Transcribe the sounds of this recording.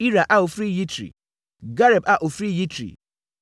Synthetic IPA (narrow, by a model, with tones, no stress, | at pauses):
i˦ɾa˨ʔa˦o˨fɾi˦ji˦tʰɾḭ˨ | ɡa˦ɾɛ˨ba˦ʔo˨fɾi˦ji˦tʰɾḭ˨